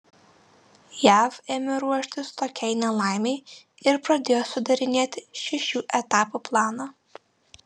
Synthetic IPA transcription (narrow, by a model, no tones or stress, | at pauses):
jæːfemʲɪɾuɔʃʲt̪ʲɪst̪oːkʲɛɪnʲɛlˠɑˑɪmʲɛɪ | ɪɾpɾɐd̪ʲeːjosʊd̪ɐɾʲɪnʲeːt̪ʲɪʃʲɛʃʲuːʔɛt̪ɑːpuplˠɑːnɑ